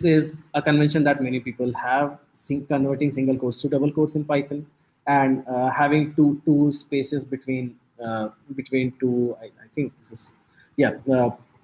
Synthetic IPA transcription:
sɪzəkə̃nʋɛ̃nʃə̃nd̪æʈmɛnipiːpəlhæʋsɪ̃kə̃nʋəɾʈɪ̃ŋsɪ̃ŋɡəlkoːɾsʈuɖəbəlkoːɾsɪ̃npaɪt̪ʰə̃n | æ̃ɳɖhæʋɪ̃ŋʈuːʈuːspeːʃɪzbɪʈʋĩːn | bɪʈʋĩːnʈuːaɪaɪt̪ʰɪ̃ŋk̚d̪ɪsɪz | ja

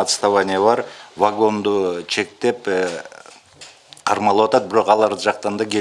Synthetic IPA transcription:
ɑt̪st̪avanʲijabɑɾvaɡo̞nd̪ut͡ʃe̞k̚t̪e̞p | qʰɑɾmɑlˠwɑt̪ɑt̪̚bɪɾo̞qɑlˠɑɾd̪əʒɑq̚t̪ɑnd̪ɑkʲʰe

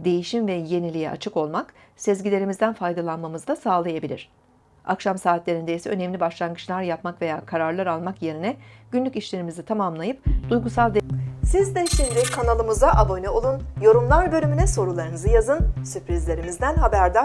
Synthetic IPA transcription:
d̪e̞jiʃimvɛje̞nilʲijɛ̰ʔa̰t͡ʃʰɯko̞lˠmak | sezɟilʲe̞ɾimizd̪ænfajd̪alˠanmamɯzd̪asaːlˠajabilʲḭɾ̝̥ | a̰kʃamsaːt̪lʲe̞ɾind̪ejisɛø̞nɛmlʲibaʃlˠanɡɯt͡ʃlˠaɾjapmakve̞jaːkʰaɾaɾlˠaɾalˠmakje̞ɾinɛɟ̥ynlʲyciʃlʲe̞ɾimizit̪ʰamamlˠajɯpd̪ujɡusalˠd̪esizd̪ɛʃimd̪ɪkʰanalˠɯmɯzaʔabo̞nɛo̞lˠunjo̞ɾumlˠaɾbølʲymynɛso̞ɾulˠaɾɯnɯzɯjazɯnsypɾizlʲe̞ɾimizd̪ænɦabæɾd̪a

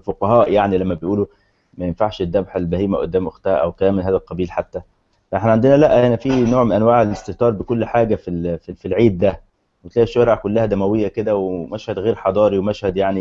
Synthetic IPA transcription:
foqɑɦæːʔjaʕnilæmːæbejʔuːlu | mæjenfaʕʃed̪ːæbħelbæhiːmæʔo̰d̪ːæːmʔoxt̪æʔæwkæːmelɦæːd̪ælqɑbiːlħat̪ːæ | fæʔeħnæʕand̪enælæʔæʔænæfiːnoːʕmenʔænwaːʕelest̪eht̪ˤɑːɾˤbekolːħaːɡæfififilʕiːd̪̚ːæ | mot̪læːæʃːoɾˤeʕkolːæhæd̪æmæwejːæked̪æwemæʃhæd̪ɣeːɾħɑd̪ˤɑːɾiwemæʃhæd̪jaʕni

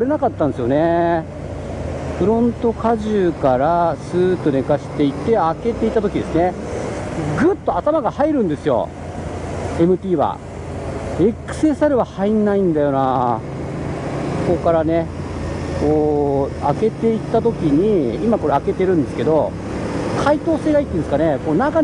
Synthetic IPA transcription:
oɾe̞nakat̪ːand̪esɨjo̞ne̞ | ɸɯ̟ɾõ̞nt̪o̞kaʑɨːkaɾasɨːt̪one̞kaɕi̥t̪e̞it̪ːe̞ake̞t̪e̞it̪ːat̪o̞kʲid̪e̞sɨne̞ | ɡɯ̟t̪ːo̞at̪amaɡahaiɾɯ̟̃nd̪e̞sɨjo̞̰ | e̞mɯ̟t̪ʲiːβa̰ | ekɯ̥se̞saɾɯ̟βahainːaĩnd̪ajo̞na | ko̞kaɾane̞ | koːake̞t̪e̞it̪ːat̪o̞kʲiɲ̟iimako̞ɾe̞ake̞t̪eɾɯ̟̃nd̪e̞sɨ̥ke̞d̪o̞ | kʰait̪o̞ːse̞ːɡait̪ːẽnesɨ̥kane̞koːnaka

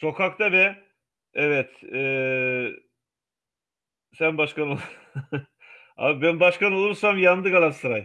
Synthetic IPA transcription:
so̞kʰak̚t̪abɛ | ɛvɛt̪ɛː | sænbaʃkanolˠuɾ | a̰bænbaʃkano̞lˠuɾsamjand̪ɯkalˠansɯɾaj

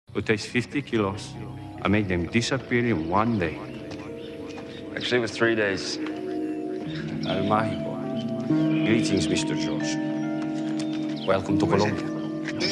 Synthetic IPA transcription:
ut̪ʰestfɪft̪ikʰilos | ʔã̰mek̚ðɛ̃mdɪsəpiɾɪ̃nwãndeɪ | ʔæ̰k̚t͡ʃʉl̩ˠiwʌzθɹideɪz̥ | a̰lmai | blitɪ̃ŋzmɪst̪ə˞d͡ʒɔɹd͡ʒ | wɛlˠkə̃mt̪ukɔlɔ̃mbja

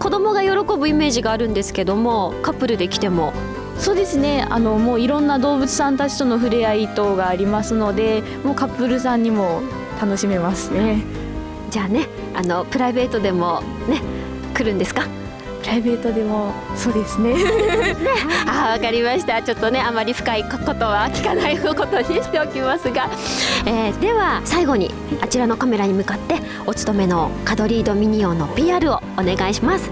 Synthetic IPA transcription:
ko̞d̪o̞mo̞ɡajo̞ɾo̞ko̞bɯ̟ime̞ːʑiɡaːɾɯ̟̃nd̪e̞sɨ̥ke̞d̪o̞mo̞kapːɯ̟ɾɯ̟d̪e̞kʲi̥t̪e̞mo̞ | so̞ːd̪e̞sɨne̞a̰no̞mo̞ːiɾõ̞nːad̪o̞ːbɯ̟t͡sɨ̥sãnt̪at͡ɕi̥t̪o̞no̞ɸɯ̟ɾeait̪o̞ːɡaːɾʲimasɨno̞d̪e̞ | mo̞ːkapːɯ̟ɾɯ̟sãɲ̟ːimo̞ | t̪ano̞ɕime̞masɨne̞ | d͡ʑaːne̞ | ano̞pɯ̟ɾaibe̞ːt̪o̞d̪e̞mo̞ | ne̞ | kɯ̟ɾɯ̟̃nd̪e̞sɨ̥ka | pɯ̟ɾaibe̞ːt̪od̪e̞mo̞so̞ːd̪e̞sɨneneaːβakaɾʲimaɕi̥t̪at͡ɕo̞t̪ːo̞ne̞amːaɾʲiɸɯ̥kaiko̞t̪o̞βakʲi̥kanaiko̞t̪o̞ɲʲiɕi̥t̪e̞okʲimasɨɡaeːd̪e̞βasaiɡo̞ɲ̟ḭ | at͡ɕiɾano̞kame̞ɾaɲ̟imɯ̟kat̪ːe̞ | o̞t͡sɨ̥t̪o̞me̞no̞kad̪o̞ɾʲiːd̪o̞mʲiɲ̟io̞nopʲiːaːɾɯ̟o̞ːne̞ɡaiɕimasɨ̥

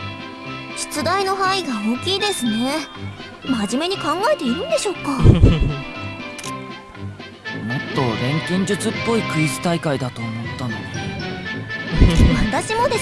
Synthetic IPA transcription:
ɕi̥t͡sɨd̪aino̞ɦaiɡaoːkʲiːd̪e̞sɨne̞ | maʑime̞ɲ̟ikãŋɡaet̪e̞iɾɯ̟̃nd̪e̞ɕo̞ːkːa | mot̪ːo̞ɾẽ̞ŋkʲĩɲ̟d͡ʑɨt͡sɨpːo̞ikɯ̟izɨ̥t̪aikaid̪at̪o̞ːmo̞t̪ːano̰ | mat̪aɕimo̞d̪e

